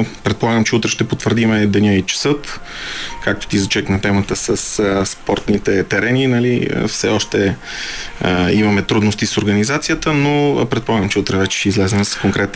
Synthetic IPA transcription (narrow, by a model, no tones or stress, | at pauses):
pɾɛt̪̚polˠaɡəmt͡ʃɛut̪ɾɛʃt̪ɛpot̪vəɾd̪imɛd̪ɛnʲait͡ʃɛ̥sɤt̪ | kak̚t̪o̥t̪izɐt͡ʃɛknɐt̪ɛmət̪əsəsspɔɾt̪nit̪ɛt̪ɛɾɛninɐliə̰fsɛ̰ɔʃt̪ɛ | imɐmɛt̪ɾud̪nost̪isoɾɡənizat̪sijət̪ənopɾɛt̪̚polˠaɡəmt͡ʃɛut̪ɾɛvɛt͡ʃɛ̥ʃt̪ɛizlɛzɛmɛsə̥skoŋkɾɛt̪